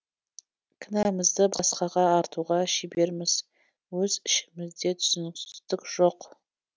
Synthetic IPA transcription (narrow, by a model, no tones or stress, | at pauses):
kʰɪnæmɪzd̪əbɑsqɑʁɑːɾt̪ʰuʁɑʃibe̞ɾmɪz̥ | wɵzɪʃɪ̥mɪzd̪e̞t̪ʰʊ̥sʏnɪksɪ̥st̪ɪkʒ̥o̞q